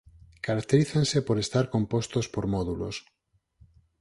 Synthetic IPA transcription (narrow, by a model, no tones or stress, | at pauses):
kaɾak̚t̪eɾiθensepoɾest̪aɾkompost̪ospoɾmɔðulo̰s